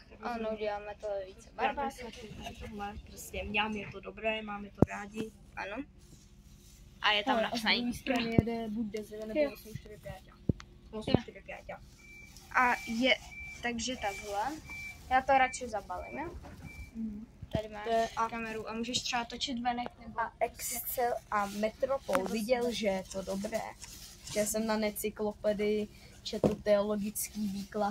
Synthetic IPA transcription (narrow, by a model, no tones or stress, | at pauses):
vanouɟɛlaːmɛt̪oviːt͡sɛbabasaɪt̪aɡlɛpɾoscɛmɲamjɛt̪odobɾɛːmaːmɛt̪oɾaːɟɪ | ʔa̰no | ʔajɛt̪amnazaimist̪anɪjɛdɛbuɟ̚dɛzɪnɛosɲiʃt̪ɪɾɪpɪaca | osɲiʃt̪ɪɾɪpɪaːca | ʔajɛt̪aɡʒɛt̪aɡɦlɛjaːt̪oɾat͡ʃɪzabalɪ̰m̩ | t̪adɪmaːt̪ojɛʔakamɛɾuʔamuːʒɛʃt̪r̥ɛbat̪ot͡ʃɪt̪vɛnɛknɛbaʔɛkssɛlʔamɛt̪ɾopolvɪɟɛlʒɛɛt̪odo̞bɾɛ̰ːʒjasɛmnanɛt͡sɪklo̞pɛdɪ | t͡ʃɛt̪l̩t̪ɛolo̞ɡɪt͡skiːviːkla